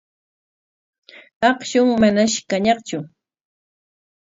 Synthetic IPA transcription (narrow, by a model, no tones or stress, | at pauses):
ɑχʃʊŋmanaʃkaɲɑqt͡ʃʊ